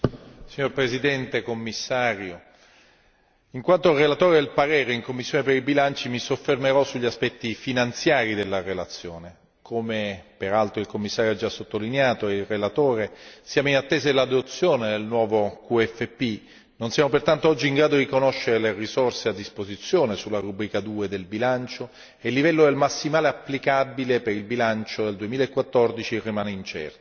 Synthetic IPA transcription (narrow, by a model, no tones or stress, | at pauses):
siɲːorpɾezid̪ɛnt̪ekomːisːaːɾjo | iŋkwant̪orelat̪oːɾed̪elpaɾɛːɾeiŋkomːisːjoːnepeɾibilant͡ʃimisofːermeɾɔsːuʎːiaspɛt̪ːifinant̪sjaːɾid̪elːarelat̪sːjoːne | kʰomepeɾalt̪ɾoilkomːisːaːɾjoad͡ʒːasːot̪ːolineaːt̪oilrelat̪oːɾesjaːmoinat̪ːeːzaelad̪ot̪sːjoːned̪elnwɔːvokuɛfːepːi | nonsjaːmopert̪ant̪oɔd͡ʒːiiŋɡɾaːd̪od̪ikonoʃːeɾelerisorsead̪ːispozit̪sːjoːnesulːaɾubɾiːkad̪uːed̪elbilant͡ʃo | elːivɛlːod̪elmasːimaːleapːlikabilepeɾilbilant͡ʃod̪eld̪uemiːlaekːwat̪ːɔrd̪it͡ʃirimaːneint͡ʃɛ̰rt̪o̥